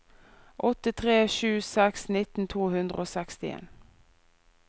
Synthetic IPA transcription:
ʔɔt̪ɪt̪ʰʁeːʃʉːsɛksnɪt̪n̩t̪ʰuːhʉnd̪ʁə̰oːsɛkst̪ɪḛːn

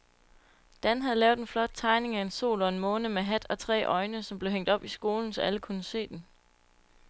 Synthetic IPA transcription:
d̥ænɦæð̩ˠlɛːʊd̥enflɒ̽d̥̚t͡sʰɑ̈ɪne̝ŋæe̝nso̝̰ːlɒ̽e̝nmɔ̽ːnəmeɦæd̥ɒ̽t͡sʰʁɛ̰ːʔɒ̽ɪnəsɒ̽mb̥le̝ʊɦeŋ̰d̥ɒ̽b̥isɡ̥o̝ːln̩sɒ̽ʔæləkʰunəse̝̰ːd̥en

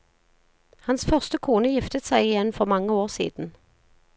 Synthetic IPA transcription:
hɑnsfœʁst̪əkʰuːnəjɪft̪ət̪sæɪɪjɛnfɔʁmɑŋəoːʁsḭːd̪̥n̩

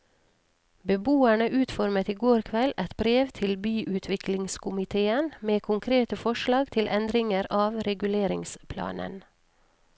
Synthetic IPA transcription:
bəbuːæɳəʔʉːt̪fɔɾmət̪iːɡoːɾkʰʋɛlɛt̪bɾeːʋt̪ʰɪlbyːʔʉːt̪ʰʋɪkʰlɪŋskʰʊmɪt̪ʰeːənmeːkʰʊŋkʰɾeːt̪əfɔʃlɑːɡt̪ʰɪlʔɛnd̪ɾɪŋəɾʔɑːʋɾɛɡʉleːɾɪŋspʰlɑ̰ːnə̰n

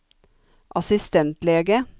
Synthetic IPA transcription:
ʔɑsɪst̪ɛnt̪leːɡə

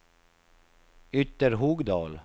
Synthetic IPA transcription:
ʏt̪əɾhuːɡd̪ɑːl

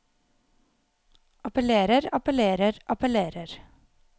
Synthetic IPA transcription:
ʔɑpəleːɾəɾɑpəleːɾəɾʔɑpəleːɾəɾ

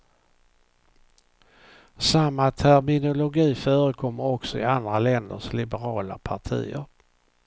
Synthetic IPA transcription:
samːat̪ʰæɾmɪnʊlʊɡiːfœːɾəkʰɔmːəɾɔksɔɪ̰and̪ɾalɛnd̪ə̰ʂlɪbəɾɑːla̰pʰaʈʰḭːə̰ɾ

